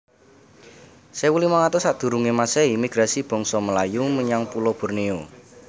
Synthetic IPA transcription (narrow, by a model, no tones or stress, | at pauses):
sewulimaŋat̪osaʔd̪̥ṳɾuŋemaseimiɡ̥ɾasib̥ɔ̤ŋsɔməlajuməɲaŋpulob̥ɔ̤rnio